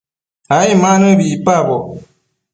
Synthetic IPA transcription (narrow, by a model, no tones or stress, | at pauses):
aĩmãnɨ̃biipabɔ